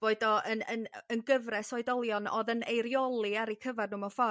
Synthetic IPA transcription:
v̥oːɨdɔʔənənənɡəvrɛsɔɨdɔlˠjɔnɔðənejɾjɔlˠiaɾikʰəvarnuːmɔfɔ

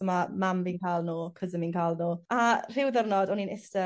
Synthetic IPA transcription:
əmamambiːnkʰaːlˠnuːkʰəzəmiːnkʰaːlˠnuːar̥ɪwðərnɔdɔninɪstə

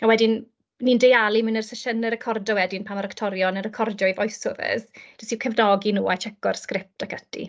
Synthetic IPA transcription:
awɛdɪn | nːindejalˠimɨnərsəʃənəɾɛkʰɔrdɔwɛdɪnpʰamaɾaktʰɔɾjɔnərəkʰɔrdɔivɔjsɔðɛ̰sd̥ɔsiwkʰɛvnɔɡinuːat͡ʃʰɛkɔrskrɪp̚takʰətʰḭ

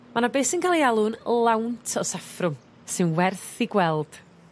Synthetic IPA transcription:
manabeːsɪnkʰalˠialˠʊnlˠawntʰɔsafrʊm | sɨnwɛrθiɡwɛlˠd̥

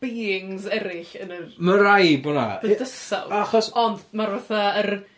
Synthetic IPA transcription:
b̥iːɪŋzɛɾɪɬənəməɾajbɔna̰̥ədəsa̰waχɔsɔndmarvaθaər

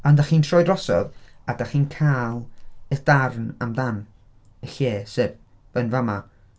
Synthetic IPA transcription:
ɔndaχiːntʰrɔjdrɔsɔ̰vadaχiːnkʰaːlˠəd̥arnamdan | əɬeːseːb | v̥ənvama

